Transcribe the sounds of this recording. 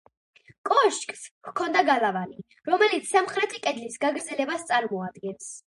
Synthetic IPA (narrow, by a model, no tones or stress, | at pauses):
kʼɔʃkʼskkʰɔnd̪aɡalavani | ɾɔmɛlit̪sʰsamχɾɛt̪ʰikʼɛd̪lisɡaɡɾd̪zɛlɛbast̪sʼaɾmɔad̪ɡɛns